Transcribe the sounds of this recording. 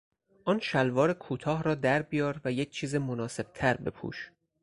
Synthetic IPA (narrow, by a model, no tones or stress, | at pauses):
ʔɒːnʃælvɒːɾekʰuːt̪ʰɒːhɾɒːd̪æɾbijɒːɾvæjec̚ʰt͡ʃʰiːzemonɒːse̞b̥̚t̪ʰæɾbe̞pʰṵːʃ